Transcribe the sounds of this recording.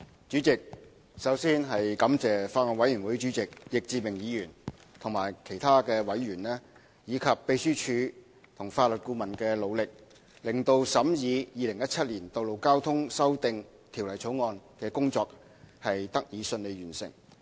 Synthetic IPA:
t͡ʃyː˨˥t͡sɪ˨k̚ | sɐ˨˥wsiː˥nɦɐ˨jkɐ˨˥mt͡sɛː˨faː˧t̚ɔː˨˩wɐ˨˥jyː˨˩nwuː˨˥jt͡ʃyː˨˥t͡sɪ˨k̚jɪ˨k̚t͡siː˧mɪ˨˩ŋjiː˨˧jyː˨˩n | t̪ʰʊ˨˩ŋmaː˨˩jkʰe˨˩jt̪ʰaː˥kɛː˧wɐ˨˥jɥyː˨˩nlɛː˥ | jiː˨˧kʰɐ˨pːe˧jsyː˥t͡ʃʰyː˨˧ | t̪ʰʊ˨˩ŋfaː˧t̚lɵ˨t̚kuː˧mɐ˨˩nkɛː˧lo˨˧wlɪ˨k̚ | lɪ˨˩ŋt̪o˧wsɐ˨˥mjiː˨˧jiː˨˧lɪ˨˩ŋjɐ˥t̚t͡sʰɐ˥t̚liː˨˩nt̪o˨wlo˨wkaː˥wt̪ʰʊ˥ŋsɐ˥wt̪ɪ˨ŋ | t̪ʰi˨˩wlɐ˨˩jt͡sʰo˨˥wŋɔː˧nkɛː˧kʊ˥ŋt͡sɔː˧k̚ | hɐ˨jt̪ɐ˥k̚jiː˨˧sɵ˧nle˨˧jɥyː˨˩nsɪ̰˨˩ŋ

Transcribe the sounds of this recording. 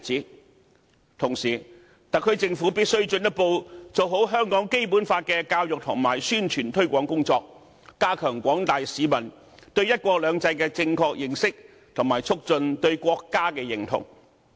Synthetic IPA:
t͡siː˨˥ | t̪ʰʊ˨˩ŋsiː˨˩ | t̪aː˨kʰɵ˨˧ɥt͡sɪ˧ŋfuː˨˥piː˥t̚sɵ˥ɥt͡ʃɵ˧njɐ˥t̚po˧wt͡so˨wɦo˨˥wɦœː˥ŋkɔː˨˥ŋke˥jpuː˨˥nfaː˧t̚kɛː˧kaː˧wjʊ˨k̚t̪ʰʊ˨˩ŋmaː˨˩jsyː˥nt͡ʃʰyː˨˩nt̪ʰɵ˥ɥkʷɔː˨˥ŋkʊ˥ŋt͡sɔː˧k̚ː | aː˥kʰœː˨˩ŋkʷɔː˨˥ŋt̪aː˨jsiː˨˧mɐ˨˩n | t̪ɵ˧ɥjɐ˥t̚kʷɔː˧k̚lœː˨˧ŋt͡sɐ˧jkɛː˧t͡sɪ˧ŋkʰɔː˧k̚jɪ˨ŋsɪ˥k̚ | t̪ʰʊ˨˩ŋmaː˨˩jt͡sʰʊ˥k̚t͡sɵ˧nt̪ɵ˧ɥkʷɔː˧kːaː˥kɛː˧jɪ˨˩ŋt̪ʰʊ̰˨˩ŋ

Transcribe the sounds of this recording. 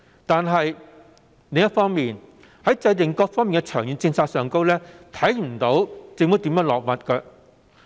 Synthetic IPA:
t̪aː˨nɦɐ˨j | le˨ŋjɐ˥t̚fɔː˥ŋmiː˨n | hɐ˨˥jt͡sɐ˧jt̪ɪ˨ŋkɔː˧k̚fɔː˥miː˨nŋkɛ˧t͡ʃʰœː˨˩ŋjyː˨˧nt͡sɪ˧ŋsaː˧t̚sœː˨ŋko˥wlɛː˥t̪ʰɐ˨˥jm̩˨˩t̪o˨˥wt͡sɪ˨ŋmo˨˥wt̪iː˨˥mjœː˨˥ŋlɔː˨k̚mɐ˨t̚kɐ˧

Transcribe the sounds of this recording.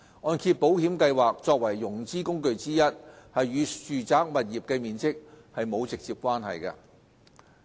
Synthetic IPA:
ŋɔː˧nkʰiː˧t̚po˨˥whiː˨˥mkɐ˧jwaː˨k̚t͡ʃɔː˧k̚wɐ˨˩jːʊ˨˩ŋt͡siː˥kʊ˥ŋkɵ˧ɥt͡siː˥jɐ˥t̚hɐ˨jɥyː˨˧syː˨˩t͡saː˥k̚mɐ˨t̚jiː˨˩p̚kɛː˧miː˨nt͡sɪ˥k̚hɐ˨jmo˨˧wt͡sɪ˨k̚t͡siː˨˧p̚kʷaː˥nɦɐ̰˨jkɐ̰˧

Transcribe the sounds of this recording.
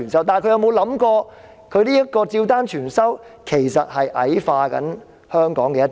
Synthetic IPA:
yː˨˩nsɐ˥wt̪aː˨nkʰɵ˨˧jɐ˧wmo˨˧wlɐ˨˥mkɔː˧ | kʰɵ˨˧ɥniː˥jɐ˥t̚kɔː˧t͡siː˧wt̪aː˥nt͡ʃʰyː˨˩nsɐ˥w | kʰe˨˩jsɐ˨t̚hɐ˨jʔɐ̰˨˥jfaː˧kɐ̰˨˥n | hœː˥ŋkɔː˨˥ŋkɛː˧jɐ˥t̪

